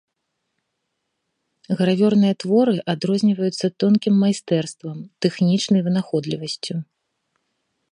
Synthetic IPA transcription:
ɣɐɾavʲɔrnɨjɐt̪vɔɾɨʔad̪ɾɔzʲnʲivɐjut̪sːɐt̪ɔnkʲimːajst̪ɛrst̪vɐmt̪ɛxnʲit͡ʂnɐjvɨnaxɔd̪lʲivɐsʲt͡sʲu

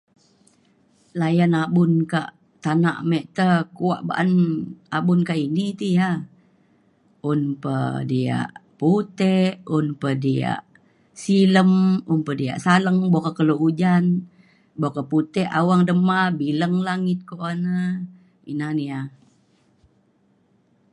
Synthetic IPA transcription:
lajanabʊnkaʔ | t̪ana̰ʔmɛʔt̪əkua̰ʔba̰ʔanabʊnkaʔinit̪ija | unpə̰dia̰ʔput̪ɛʔunpədia̰ʔ | siləmumpədia̰ʔsaləŋbokəkəloʔud͡ʒan | bokəput̪ɛʔa̰waŋdəmabiləŋlaŋɪt̪̚koʔanə | ḭnania

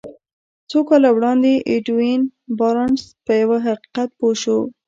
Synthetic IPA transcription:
t͡sokɑlawɽɑnd̪eʔɪʈwinbɑɾɑnspəjawaɦaqi̥qat̪̚poʃo

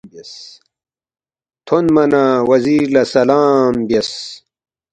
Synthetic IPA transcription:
bɐs | t̪ʰonmɐnawɐziːɾlɐsɐlaːmbɐs

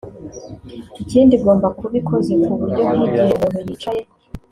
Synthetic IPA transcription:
iciːndiɡo̞ːmbakuβikʰozekuβuɾɟoɦiɡejeβumeɾit͡ʃaje

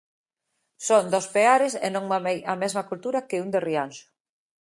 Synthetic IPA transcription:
soŋd̪ospeaɾɪsḛnõŋajɐmezmakult̪uɾɐkɪund̪erianʃʊ̥

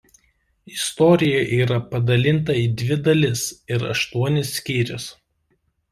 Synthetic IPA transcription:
ɪst̪ɔɾʲɪjɛʔiːɾɐpɐd̪ɐlʲɪnˑt̪̬ɐiːd̪ʲʋʲɪd̪ɐlʲɪsɪɾɐ̰ʃt̪uɔnʲɪsːʲkʲiːɾʲʊs

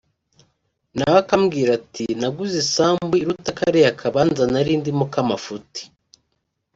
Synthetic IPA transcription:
naβakamɡiːɾatinaɡuzisaːmbwiɾutakaɾejakʰaβanzanaɾiːndimukamafuti̥

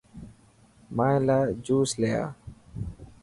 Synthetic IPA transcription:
mãːẽlaːd͡ʒuːsleja̰ː

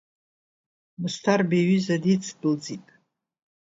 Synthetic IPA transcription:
mɨstʰarbeɥizadit͡sʰdɨld͡zipʼ

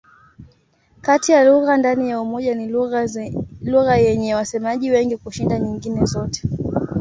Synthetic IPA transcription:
katijaluɣandanijaumɔʄani | luɣajɛɲɛwasɛmaʄiwɛŋɡikuʃindaɲiŋɡinɛzɔtɛ̥

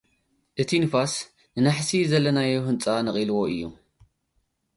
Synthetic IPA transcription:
ʔɨt̪ʰinɨfas | nɨnaħsizɐlːɐnajuhɨnt͡sʼanɨχʼilwo̞ɨjːṵ

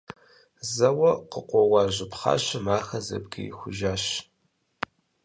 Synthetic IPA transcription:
zɐwɐqəqʷɔwɑːʑɪpχɑ̰ːɕɐmaːxɐzɐ̰bɡɐ̰jxʷʊʒaːɕ

